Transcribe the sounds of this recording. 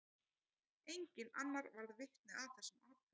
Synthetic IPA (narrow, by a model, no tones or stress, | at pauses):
ejɲcɪnanːaɾvaɾðvɪht̪nɪaθɛsʏmat̪̚